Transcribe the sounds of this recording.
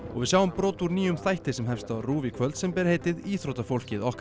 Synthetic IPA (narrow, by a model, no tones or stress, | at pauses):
ɔɣvɪðsawʏmpɾoːwt̪uɾniːʏmθajht̪ɪsɛmɦɛfst̪aruːvikʰvœlt̪sɛmpɛːɾheːjt̪ɪðiːθɾowt̪afowl̥cɪðɔhk